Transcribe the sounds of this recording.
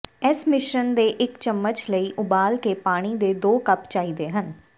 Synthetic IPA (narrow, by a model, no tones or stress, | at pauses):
ɛsmɪʃənd̪eːʔɪkt͡ʃəmːət͡ʃləiːʔʊbaːlkeːpaːɽ̃iːd̪eːd̪oːkəpt͡ʃaːiːd̪eːɦən